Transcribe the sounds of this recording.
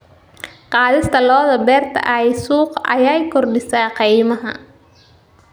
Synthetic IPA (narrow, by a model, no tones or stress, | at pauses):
qɑːðɪst̪ʰɐlɔːðɐbɛːrt̪ʰɐ̰ʔɐjsuːqɐ̰jaːjkʰɔrɖɪsaːqijmɐɦɐ̰